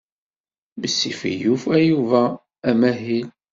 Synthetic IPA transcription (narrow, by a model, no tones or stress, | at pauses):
məsːḭfḭjufæjuvæː | mæɦil